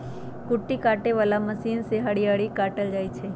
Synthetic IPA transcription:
kʊʈːikaʈeʋəlaməsinseɦaɽijaɽikaʈəld͡ʒajt͡ʃʰe

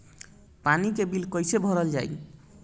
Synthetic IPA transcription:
panikebilkɔjsebʱɔɾəld͡ʒa̰j

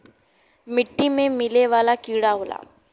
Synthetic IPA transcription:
mɪʈːimẽmɪleʋaːlakiːɽaɦoːla̰ː

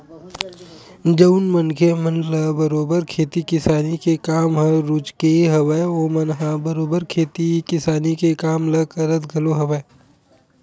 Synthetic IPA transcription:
d͡ʒɐʊnmənkʰemɐnləbɐɾoːbəɾkʰeːt̪ikɪsaːnikekaːmɦɐ̃ɾʊt͡ʃkeɦɐʋəeoːmɐnɦãbɐɾoːbəɾkʰeːt̪ikɪsaːnikekaːmlɐkɐɾət̪ɡʱɐloɦɐʋəe

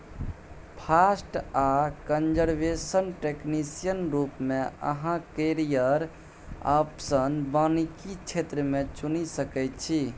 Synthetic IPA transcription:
pʰasʈakənd͡ʒəɾbesənʈeknisijənɾupmeə̰ɦãkeɾijəɾ | apsənbanikit͡ʃʰet̪ɾəmet͡ʃunisəkɛjt̪t͡ʃʰi

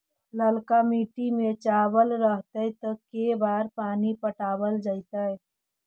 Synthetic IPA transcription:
ləlkamiːʈimẽt͡ʃaːbəlɾəɦt̪əjt̪əkebaːɾpaːnipəʈaːbəld͡ʒaɪt̪əj

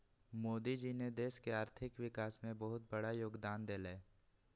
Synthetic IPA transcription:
moːd̪id͡ʒined̪eːʃkeaːɾt̪ʰɪkʋɪkaːsmẽbəɦʊt̪̚bəɽajoːɡd̪aːnd̪eːleː

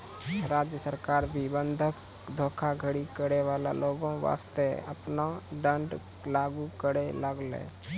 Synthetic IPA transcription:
ɾaːd͡ʒjəsəɾkaːɾbʱibə̃nd̪ʱək | d̪ʱoːkʰaɡʱəɽikəɾeʋaːla̰loːɡõʋa̰ːst̪eə̰pnaɖə̃ɳɖ | laːɡukəɽeləɡlḛ̃ː

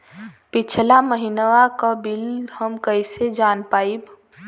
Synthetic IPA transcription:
pɪt͡ʃʰlaməɦinəʋakəbilhəmkəɪsed͡ʒaːnpaːib

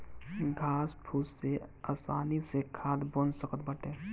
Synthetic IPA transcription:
ɡʱaːspʰusseaːsaːnisekʰaːd̪bənsəkət̪̚bəʈeː

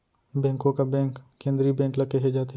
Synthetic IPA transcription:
bɛ̃ːŋkõkabɛ̃ːŋkːẽːnd̪ɾibɛ̃ːŋklɐkeɦed͡ʒaːt̪e

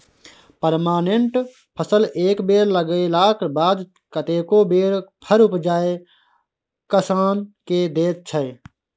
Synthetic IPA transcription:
pəɾmaːneɳʈ | pʰəsəlʔeːkbeːɾləɡelaːkbaːd̪ | kət̪eːkobeːɾpʰəɾʊpd͡ʒaːe | kəsaːnked̪eːt̪̚t͡ʃʰə

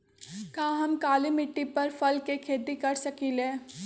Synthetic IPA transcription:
kãːɦɐmkaːlimɪʈːipɐɾpʰɐlkekʰeːt̪ikɐɾsɐkiːlẽː

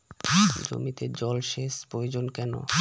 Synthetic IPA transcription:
d͡ʑo̰mit̪ed͡ʑɔlʃeʃpɾojod͡ʑonkɛno̰

